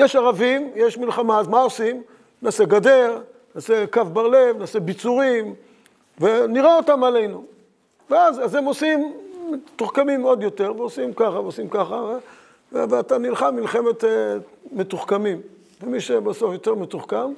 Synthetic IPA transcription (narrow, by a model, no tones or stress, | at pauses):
jeʃaʁavimjeʃmilχamazmaosim | naːseɡadeʁ | naːsekavbaʁlevnaːsebit͡suʁim | veniʁeot̪amale̞jnu | veazazemosimːet̪uχkamimo̞d̪jo̞te̞ʁveosimkaχaveosimkaχave | vveatanilχamilχeme̞t̪eme̞tuχkamim | vemiʃebaso̞fjo̞teʁmetuχkam